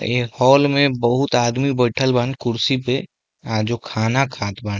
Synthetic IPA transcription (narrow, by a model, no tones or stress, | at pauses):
ḛːhɔːlmẽbəɦʊt̪aːd̪mibəɪʈʰəlbãːnkʊɾsipe | d͡ʒoːkʰaːnakʰaːt̪baːn